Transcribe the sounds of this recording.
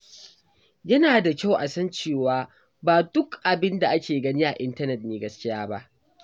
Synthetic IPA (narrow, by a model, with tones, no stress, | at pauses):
jɐ˦naː˨da˨kʲa˦˨wʔa˨sɐ˦nt͡ʃeː˦˨waː˦ | baː˨dʊ˦kʔa˨bɪ˦nda˨ʔa˦kʲeː˨ɡɐ˦ni˦ʔa˨ʔɪ˦ntɐ˦nɛ˨t̚neː˦ɡɐ˦skʲɪ˦jaː˦ba̰˦ʔ